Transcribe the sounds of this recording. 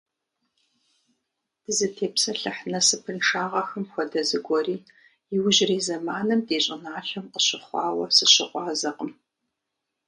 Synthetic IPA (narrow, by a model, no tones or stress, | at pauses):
b̥ɨzɨtʰeːpsɐɬɨħnɐsɨpʰɨnʂaːʁɐxɨmxʷɔdɐzɨɡʷɔriː | jɪwʊʑɪriːzɐmaːnɨmdeːɕʼɪnaːɬɐmqəɕɪχʷɑːwɐsɨɕɪ̰qʷɑːzɐqʼəm